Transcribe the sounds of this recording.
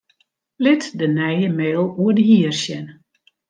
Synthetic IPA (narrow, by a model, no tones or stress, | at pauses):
lɪtdənɛjəmɛɾlˠuərdəɦiərsjɛn